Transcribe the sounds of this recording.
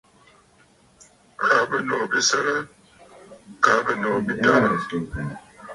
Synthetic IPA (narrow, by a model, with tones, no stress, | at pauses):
kʰa˨bə˦nɔ˨bi˦sə˦ɾə˦ | ka˨˦bə˦nɔ˨bi˦da˦˨